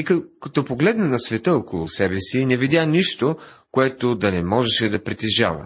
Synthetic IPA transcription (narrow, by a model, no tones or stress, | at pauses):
ikkɐt̪ɔpoɡlɛd̪nɐnɐsvɛt̪əokolˠʊsɛbɛsinɛvid̪ʲaniʃt̪okoɛt̪od̪ɐnɛmɔʒɛʃɛd̪ɐpɾit̪ɛʒa̰vɐ̰